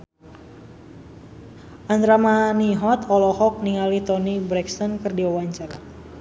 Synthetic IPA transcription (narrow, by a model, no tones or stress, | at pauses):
ʔand̪ɾamaniɦɔt̪ɔlɔhɔk̚niŋalit̪ɔnibɾɛkst̪ɔnkɨrdiawaɲt͡ʃara